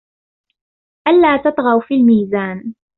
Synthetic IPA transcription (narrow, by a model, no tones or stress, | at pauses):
ʔalːaːt̪ɑt̪ˤɣɑwfiːlmiːzaːn